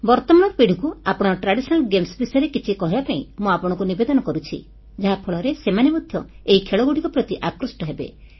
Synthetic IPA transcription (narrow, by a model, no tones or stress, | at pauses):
bɔɾt̪ɔmaɽ̃ɔɾɔpiɽ̤ʱikuapɔɽ̃ɔʈɾaɽisɔnalɡemsbisɔjɔɾekit͡ʃʰikɔɦibapaḭ̃muapɔɽ̃ɔ̃ŋkunibed̪ɔnɔkɔɾut͡ʃʰḭ | d͡ʒaɦapʰɔɭɔɾesemanemɔd̪ʱjɔ | eɦikʰeɭɔɡuɽikɔpɾɔt̪iʔakɾusʈɔɦebḛ